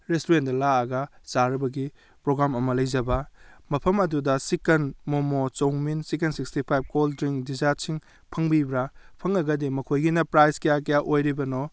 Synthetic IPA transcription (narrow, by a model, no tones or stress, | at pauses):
ɾestuɾentdɐlaɐɡɐsaɾɐbɐɡi | pɾoɡɾamɐmɐlɐjzɐbɐmɐpʰɐmɐdudɐsikɐnmomot͡ʃowŋminsik̬ensikstipʰajb̚koldɾiŋdizaɾsiŋ | pʰɐŋbibɾapʰɐŋɐɡɐdimɐkʰojɡinɐpɾajzkɐjakɐjaʔojɾibɐno